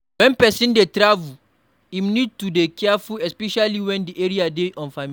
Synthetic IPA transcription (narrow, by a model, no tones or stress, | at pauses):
wɛ̃npɛsĩndetɾavu | ĩmnid̚tudekʰɛafuɛspɛʃaliwɛ̃ndiʔeɹiadeʔɔ̃nfami